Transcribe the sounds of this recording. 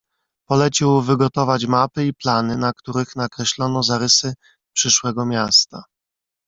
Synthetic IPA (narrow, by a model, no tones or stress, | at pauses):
pɔlɛt͡ɕiwvɘɡɔt̪ɔvat͡ɕmapɘiplanɘnakt̪uɾɘxnakɾɛɕlɔnɔzaɾɘsɘ | pʂɘʂwɛɡɔmʲjast̪a